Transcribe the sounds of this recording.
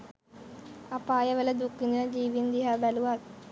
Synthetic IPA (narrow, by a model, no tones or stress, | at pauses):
apaːjɐʋɐlɐd̪ukːinunɐd͡ʒiːʋind̪iɦaːbɐluʋaːt̪